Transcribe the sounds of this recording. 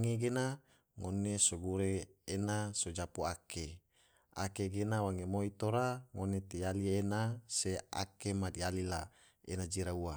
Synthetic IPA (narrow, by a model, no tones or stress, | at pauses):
ŋeɡena | ŋonesoɡuɾeːnasod͡ʒapuake | a̰keɡenawaŋemoit̪oɾaŋonet̪ijalienasea̰kemadialila | ḛnad͡ʒiɾaua